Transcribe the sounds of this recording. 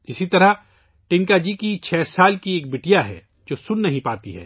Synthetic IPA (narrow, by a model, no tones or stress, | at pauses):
ɪsit̪ɐɾa | ʈɪ̃ŋkad͡ʒikit͡ʃʰɛːsaːlkieːk̚bɪʈijaɦɛ̰ː | d͡ʒoːsʊnːɐɦĩpaːt̪iɦɛ̰ː